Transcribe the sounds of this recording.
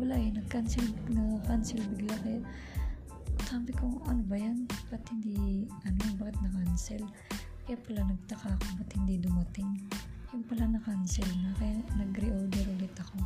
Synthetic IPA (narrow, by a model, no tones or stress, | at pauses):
wɐlaʔnɐkansɛlnɐkansɛlbɪɡlakɐja | kaːbɪkoŋʔɐnobɐjanpɐt̪hɪnd̪iʔɐnobakɐt̪̚nɐkansɛl | kɐjapɐlanɐɡ̚t̪ɐkakopɐt̪hɪnd̪id̪ʊmɐt̪ɪŋjʊŋpɐlanɐkansɛlnɐkɐjanɐɡɾɪʔold̪ɛɾʔʊlɪt̪ɐko̞